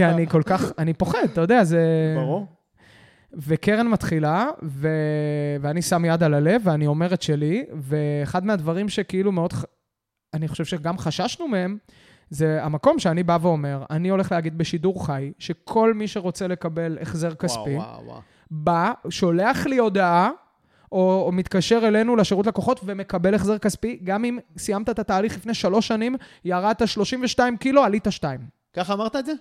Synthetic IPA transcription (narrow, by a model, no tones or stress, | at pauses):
kianiko̞lkaχanipo̞χed̪̚t̪ajod̪eazeʁu | vekeʁenmat̪χilaveveanisamjad̪alale̞veanio̞me̞ʁetʃe̞liveːχad̪mead̪vaʁimʃe̞keilumeo̞d̪χ | aniχoʃe̞v̥ʃeɡamχaʃaʃnumee̞m | ze̞amako̞mʃeanibaveo̞me̞ʁanio̞leχlehaɡid̪beʃiduʁχajʃe̞kʰo̞lmiʃe̞ʁo̞t͡se̞le̞kabe̞lḛχze̞ʁkaspiw̰ | baʃo̞le̞aχlio̞d̪aa | omit̪kaʃe̞ʁe̞le̞nuleʃeʁut̪̬lekoχo̞tve̞me̞kabe̞leχzeʁkaspiɡamimsijamt̪aet̪at̪aːliχlifne̞jʃalo̞ʃːanimjaʁad̪̚t̪aʃlo̞ʃimveʃtaimkiloalit̪aʃtaim | kaχaːmaʁt̪aeze